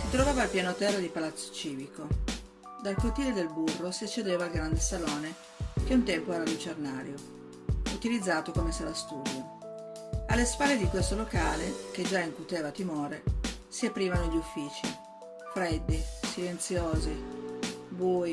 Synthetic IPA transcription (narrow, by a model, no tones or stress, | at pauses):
sit̪ɾovaːvaːlpjaːnot̪ɛrːad̪ipalat̪sːo̥t͡ʃiːviko | d̪alkut̪iːled̪elburːosiat͡ʃːed̪eːvaːlɡɾand̪esaloːne | k̟eunt̪ɛmpoɛːɾalut͡ʃernaːɾjo | ut̪ilid̪zːaːt̪okomesɛlast̪uːd̪jo | alːespalːed̪ikwest̪olokaːleked͡ʒaiŋkut̪eːvat̪imɔːɾe | siapːɾiːvanoʎːufːiːt͡ʃḭ | fɾed̪ːisilent̪sjoːzi | buːi